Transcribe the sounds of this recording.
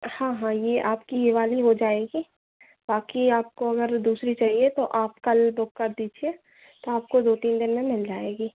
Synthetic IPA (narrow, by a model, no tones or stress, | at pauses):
hãːɦãjeʔaːpkiɦɪʋaːliɦod͡ʒaːeːɡiː | baːkiaːp̚koɐɡəɾd̪uːsɾit͡ʃaːɦiet̪oʔaːpkɐlbʊkːɐɾd̪iːd͡ʒie | t̪oaːp̚kod̪oːt̪iːnd̪ɪnmẽmɪld͡ʒaːeːɡiː